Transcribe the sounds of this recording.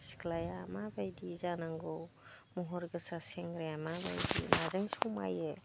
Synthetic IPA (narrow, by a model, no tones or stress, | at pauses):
sklajamabajdizanaŋɡɔwmuɦɔɾɡɯsaseŋɡɾejamaba̰jdḭnazɯŋsɔma̰je